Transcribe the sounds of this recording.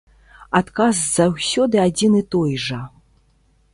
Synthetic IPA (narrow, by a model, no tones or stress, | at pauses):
at̪kazzawsʲɔd̪ɨad͡zʲinɨt̪ɔjʐɐ